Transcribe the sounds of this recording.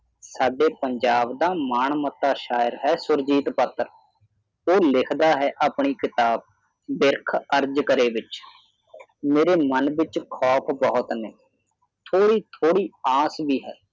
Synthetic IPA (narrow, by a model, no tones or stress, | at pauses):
saːɖeːpəɲd͡ʒaːbd̪aːmaːɳmət̪ːaːʃaːjəɾɦɛːsʊɾd͡ʒiːt̪pət̪ːɾ | oːlɪkʰd̪aːɦɛːʔaːpɳiːkɪt̪aːb̚ | bɪɾkʰəɾd͡ʒkəɾeːʋɪt͡ʃ | meːɾeːmənʋɪt͡ʃkʰɔːpʰbɔɦʊt̪neː | t̪ʰoːɽiːt̪ʰoːɽiːaːsbiːɦɛː